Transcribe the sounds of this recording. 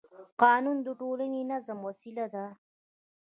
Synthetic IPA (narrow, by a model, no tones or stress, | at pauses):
qɑːnund̪əʈolanenazamwasilad̪a